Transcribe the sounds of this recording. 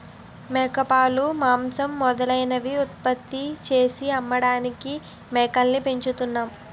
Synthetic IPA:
mɛːkɐpaːlumaːmsɐmːɔd̪ɐlɐjnɐʋiut̪̚pɐt̪ːit͡ʃe̞ːsiɐmːɐɽaːniki | mɛːkɐnːipeɲt͡ʃut̪unːaːm

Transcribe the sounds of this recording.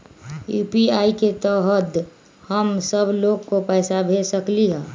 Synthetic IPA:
juːpiaːiket̪ɔɦəd̪ | həmsəbloːɡkopɛːsabʱesəkliɦɛ̃ː

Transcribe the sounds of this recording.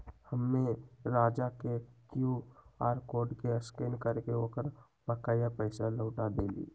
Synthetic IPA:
həmːẽɾaːd͡ʒakekjuaːɾkoːɾɖkeəskeːnkəɾkeoːkəɾ | bəkaːjapəɪsaləʊʈad̪eːlḭː

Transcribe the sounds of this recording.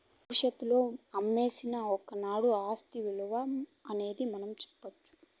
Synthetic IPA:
bʱɐʋiʂɐt̪ːulo̞ːɐmːe̞ːsinɐɔkɐnaːɽuaːst̪iʋiɭɐʋamɐne̞ːd̪imɐnɐmt͡ʃɛ̥pːɐt͡ʃːu̥

